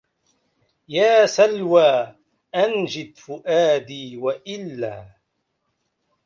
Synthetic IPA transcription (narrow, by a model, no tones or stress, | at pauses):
jaːsalwaː | ʔand͡ʒɪd̪fʊʔaːd̪iːwaʔɪlːaː